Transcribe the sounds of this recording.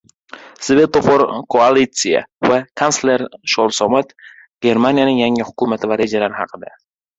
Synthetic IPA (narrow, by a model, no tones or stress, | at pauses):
sve̞t̪ofoɾkʰoalit̪sija̰vakʰansle̞ɾʃɒlˠsɒmat̪ | ɡ̥ʲe̞ɾmanijanɪŋjaŋɪhʊkʰʊmat̪ʰɪvaɾe̞d͡ʒalaɾɪhɑqʰɨd̪a